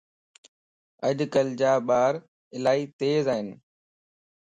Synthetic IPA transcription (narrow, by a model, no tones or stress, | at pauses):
əʄkəld͡ʑaːɓaːɾ | ɪlaːiːt̪eːzaːɦɪnɪ̆